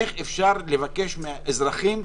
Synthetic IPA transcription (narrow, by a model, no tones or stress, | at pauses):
eχefʃaʁle̞vake̞ʃmeaʔezʁaχim